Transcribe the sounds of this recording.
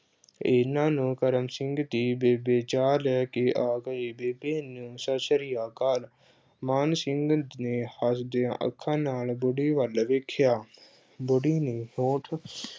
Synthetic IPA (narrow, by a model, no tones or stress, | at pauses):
ɪnãːnũːkəɾəmsɪ̃ŋɡd̪iːbeːbeːt͡ʃaːlɛːkeʔaːɡəibeːbeːnũːsəʃəɾijaːkaːl | maːnsɪ̃ŋɡneːhəsd̪eʔə̰kʰːãːnaːlbʊɽiːʋəlʋekʰːjaː | bʊɽiːnĩːɦõːʈʰ